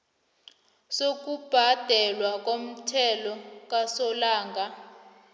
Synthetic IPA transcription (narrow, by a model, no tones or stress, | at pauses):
sok̬ub̥ʱad̥ʱɛlwak̬ʼom̩tʰɛlɔk̬ʼasɔlaːŋɡa